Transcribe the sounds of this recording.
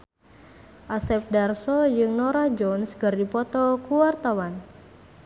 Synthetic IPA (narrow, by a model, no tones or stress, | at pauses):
ʔasɛp̚darsɔjɨŋnɔɾahd͡ʒɔnsɡɨrdipɔt̪ɔkuwart̪awan